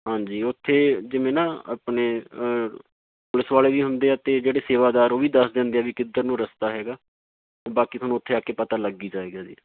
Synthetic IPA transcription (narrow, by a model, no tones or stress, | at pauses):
ɦãːɲd͡ʒiːʊt̪ʰːeːd͡ʒɪʋẽːnaːa̰ːpɳeː | pʊlɪsʋaːleːʋiːɦʊnd̪eːaːt̪eːd͡ʒeːɽeːseːʋaːd̪aːɾoːʋiːd̪əsd̪ɛ̃ːnd̪eːaːʋiːkɪd̪əɾnũːɾəst̪aːɦɛːɡaː | oːbaːkiːt̪ʰʊnũːʊt̪ʰːeːaːkeːpət̪aːləɡiːd͡ʒaːeːɡaːd͡ʒḭː